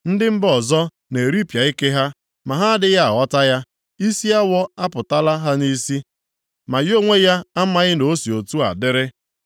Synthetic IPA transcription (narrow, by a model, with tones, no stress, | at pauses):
n̩˦dɪ˦m̩˦bɔ˨zɔ˦ | ne˨ɾi˦pja˨i˦ke˦ɦa˦ | ma˨ɦa˦a˦dɪ˦ja˦a˨ɔ˦ta˦ja˦ | i˦si˦a˦wɔ˦a˦pʊ˨ta˦la˦ɦa˦ni˦si˦ | ma˨jo˦ŋʷe˦ja˦a˦ma˦ɣɪ˦no˦si˨o˨tu˦a̰˨dɪ˦ɾɪ˦